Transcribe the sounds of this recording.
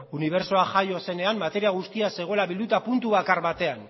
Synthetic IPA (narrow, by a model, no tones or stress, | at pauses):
uniβ̞e̞ɾso̞aʝajo̞se̞ne̞ammːat̪e̞ɾiaɣ̞ust̪iase̞ɣ̞o̞elaβild̪ut̪apunt̪uβakaɾβat̪e̞an